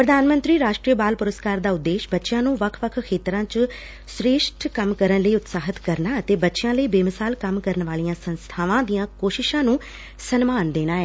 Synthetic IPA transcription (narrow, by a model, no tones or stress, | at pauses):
pɾəd̪aːnmə̃nt̪ɾiːɾaːʃʈɾiːəbaːlpʊɾəskaːɾd̪aːʊd̪ːeːʃbətːʃjãːnũːʋəkʰʋəkʰkʰeːt̪ɾãːt͡ʃ | sɾeːʃʈʰkəmkəɾənləiːʊt̪saːɦɪt̪kəɾnaːət̪eːbətːʃɪjãːləiːbeːmɪsaːlkəmkəɾənʋaːlijãːsənst̪ʰaːʋãːd̪ijãːkoːʃɪʃãːnũː | sənmaːnd̪eːnaːɛː